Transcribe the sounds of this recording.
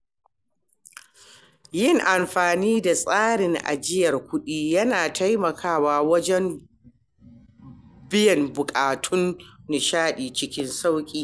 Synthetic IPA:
jɪ˦ŋʔa˨mɸaː˨niː˦da˨sʼaː˦ɽɪ˨ŋʔa̰˨d͡ʒɪ˦jɐ˨rkʷʊ˦ɗiː˦jɐ˦naː˨tʰa˦jmɐ˨kʰaː˦waː˨wɐ˦d͡ʒɛ˦m | bɪ˦jɐ˨mbʊ˨kʼaː˨tʰʊ˦nːɪ˨ʃaː˦ɗiː˨t͡ʃɪ˦kʲɪ˦nsa˦wkʲʼiː˦

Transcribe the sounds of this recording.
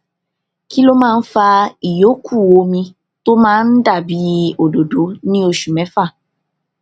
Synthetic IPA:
ki˦lo˦mãː˦˧n̩˦fa˧i˨jo˨˦kʰu˦˨wo˧mĩ˧ | to˦mãː˦n̩˦da˦˨bi˨˦o˨do˨do˨˦nĩ˦o˧ʃu˨mɛ̃˨˦fa˦˨

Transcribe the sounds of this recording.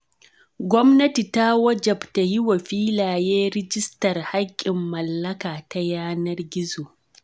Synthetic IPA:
ɡʷɔ˦mnɐ˦ti˨ta˦wɐ˦d͡ʒɐ˨bta˨hi˦wa˨ɸiː˦laː˨jeː˦ɾɪ˦d͡ʒɪ˦stɐ˨rha˦kʲʼːɪ˨mːɐ˨lːɐ˦kaː˨ta˦jaː˦nɐ˦rɡʲɪ˦zoː˨

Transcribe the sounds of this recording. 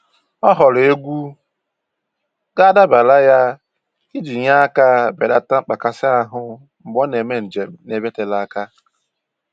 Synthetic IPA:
ɔ˦ɦɔ˨le˦ɡʷu˦ | ɡa˦da˦ba˨la˦ja˦ | i˦d͡ʒi˨ɲa˦a˦ka˦be˨da˦ta˦ŋ͡m̩˦k͡pa˨ka˨sɪ˦a˦ɦʊ˦ | m̩˨ɡ͡bɔ˦ne˨me˦n̩˨d͡ʒe˨m̩˨ne˨be˦te˨la˦ka˦

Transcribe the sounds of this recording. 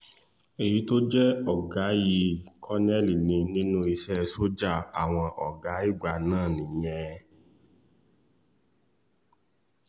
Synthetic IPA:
e˨ji˨˦to˦d͡ʒɛ˦ɔ˨ɡa˨˦ji˧kʰɔ˦nɛ˦˨li˨nĩ˧nĩ˦nũ˦i˧ʃɛ˦˧so˦d͡ʒa˦˨a˨w̃ɔ̃˧ʔɔ˨ɡa˨˦i˦˨ɡ͡ba˧nãː˦˨nĩ˨j̃ɛ̃˧

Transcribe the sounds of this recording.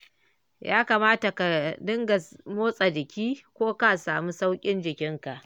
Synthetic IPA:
jʔaː˦kaː˨maː˦ta˨ka˨dɪ˦ŋɡa˨moː˦sʼa˨d͡ʒɪ˨kʲiː˦kʷoː˦ka˦ʔsaː˨mu˦sa˦wkʲʼɪ˦nd͡ʒɪ˨kʲɪ˦ŋka˨ʔ

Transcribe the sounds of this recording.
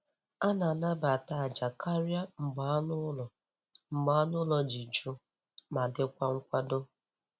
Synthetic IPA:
a˦na˨na˦ba˨ta˨a˨d͡ʒa˨kʰa˦ɾja˦ŋ͡m̩˨ɡ͡ba˨˦nʊ˦lɔ˨ | m̩˨ɡ͡ba˦nʊ˦lɔ˨d͡ʒi˨d͡ʒu˦ | ma˨dɪ˦kʷa˦ŋ̩˦kʷa˦do˦

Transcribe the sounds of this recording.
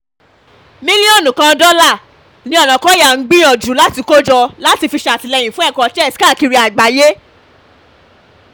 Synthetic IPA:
mĩ˦li˦õ˦˨nũ˨kã˧˦dɔ˦la˦˨ | nĩ˨˦ɔ˦˨nã˨kɔ˨˦ja˨ŋ̩˦ɡ͡bĩ˦ɔ˨d͡ʒu˨˦la˦ti˧ko˦d͡ʒɔ˧la˦ti˧fi˧ʃa˨ti˨lɛ˧˨jĩ˨fũ˦ɛ˦˨kɔ˧˦t͡ʃɛ˦˨tka˦˨ki˧ɾi˧a˨ɡ͡ba˨je˦

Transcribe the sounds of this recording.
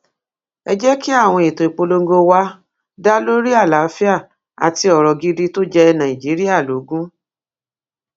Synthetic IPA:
ɛ˧d͡ʒɛ˦ki˦a˦˨w̃ɔ̃˧e˨to˨i˨k͡po˧lo˧ŋ˦ɡo˧wa˦ | da˦lo˦ɾi˦a˦˨la˨˦fi˦a˦˨ | a̰˨ti˧ɔ˨ɾɔ˨ɡi˧di˦to˦d͡ʒɛ˧nã˨ĩ˨d͡ʒi˨˦ɾi˦ja˦˨lo˨˦ɡũ˦

